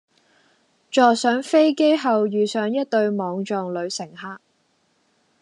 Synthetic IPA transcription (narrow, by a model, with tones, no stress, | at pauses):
t͡ʃɔː˨ksœː˨˥ŋfe˥jke˥jɦɐ˨wjyː˨˩sœː˨˥ŋjɐ˥t̚t̪ɵ˧ɥmɔː˨˧ŋt͡ʃɔː˨ŋlɵ˨˧ɥsɪ˨˩ŋhaː˧k̚